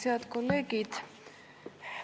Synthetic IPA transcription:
iat̪ʰkʼɔlɛɡit̪ʰ

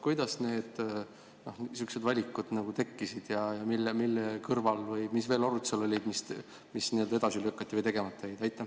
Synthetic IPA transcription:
kujd̪ɑsne̞ːd̪̥ | nohsyksed̪vɑlʲikːˑud̪̥nɑɡ̥ut̪e̞kːisid̪̥jɑjɑmilːemilːekɤrvɑlvɤjmisve̞ːloɾut̪selo̞lʲːid̪mis | misnild̪ɑe̞d̪ɑsiløkːˑɑt̪ːivəjt̪e̞ɡ̥emɑt̪ːˑɑejd̪̥ɑjt̪ːˑɑ

